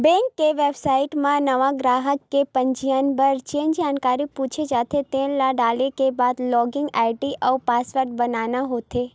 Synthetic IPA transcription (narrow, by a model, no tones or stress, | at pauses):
bɛ̃ŋkːeʋebsaiʈmãnəʋãɡɾaɦəkːepəɲd͡ʒijanbəɾt͡ʃiənd͡ʒankaɾiput͡ʃʰed͡ʒat̪ʰet̪ẽlaɖalekebad̪lɔɡɪ̃ŋɡaʈiʔəupasʋəɾʈ̪̚bənanaɦot̪ʰe